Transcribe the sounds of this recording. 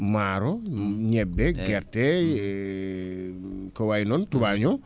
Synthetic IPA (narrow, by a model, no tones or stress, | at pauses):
maɾɔɲɛbɛɡɛrtɛ | kɔwajnɔntubaɲɔ